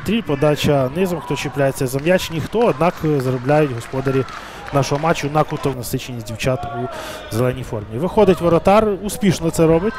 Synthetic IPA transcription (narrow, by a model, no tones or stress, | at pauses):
t̪ɾʲilʲpɔd̪ɑt͡ʃɐnɪzɔmxt̪ɔt͡ʃɪplʲajet͡sʲːɐzɐmjat͡ʃnʲixt̪ɔɐd̪nɑkzɐɾʊblʲajʊtʲɦɔspɔd̪ɐɾʲi | nɑʃɔɦɔmɑt͡ʃːʊd̪nɐkʊt̪ɔʋnɐsɪt͡ʃenʲisʲdʲiwt͡ʃat̪u | zelˠɛnʲijfɔrmʲiiʋɪxɔd̪ɪtʲʋɔɾɐt̪ɑrʊspʲiʃnɔt̪sɛɾɔbɪtʲ